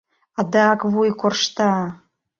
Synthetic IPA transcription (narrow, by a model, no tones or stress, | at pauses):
ɑd̪ɑɑkβujkorʃt̪ɑ